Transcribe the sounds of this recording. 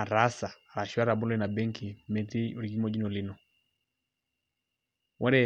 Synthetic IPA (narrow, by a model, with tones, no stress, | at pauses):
a˨ɾasa˨ | ɾa˨ʃu˦a˦ɾa˨bu˦lɛna˨bɛ˦ŋkʰimɛ˨ti˦u˨ɾi˨ɡi˦mɔd͡ʒi˦nɔ˨li˦nɔ˨ | wʔɔ˦ɾɛ